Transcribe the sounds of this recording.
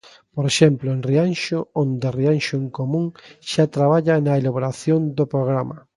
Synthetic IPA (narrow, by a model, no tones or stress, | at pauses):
poɾeʃɛmplʊẽnrianʃoõnd̪erianʃʊeŋkomũŋʃat̪ɾaβ̞aʎanɐelaβoɾaθjond̪opɾoɣɾamɐ